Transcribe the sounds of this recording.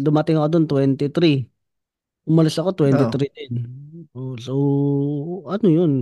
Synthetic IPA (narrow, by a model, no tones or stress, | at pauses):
d̪ʊmɐt̪ɪŋɐkod̪ont̪wɛnt̪ɪt̪ɾi | ʔʊmɐlɪsɐko̞t̪wɛnt̪ɪt̪ɾid̪ɪnʔosow | ʔɐnojʊn